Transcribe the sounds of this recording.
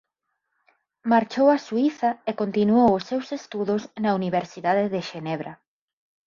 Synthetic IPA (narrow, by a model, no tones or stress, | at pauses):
maɾt͡ʃowasuiθɐekont̪inuowʊsːewsest̪uðʊsnauniβ̞eɾsiðaðeðeʃenɛβɾa